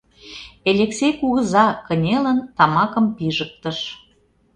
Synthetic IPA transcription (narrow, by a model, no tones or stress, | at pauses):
elʲeksʲejkuɣə̆zɑkə̆nʲelənt̪ɑmɑkə̆mpiʒək̚t̪ə̆ʃ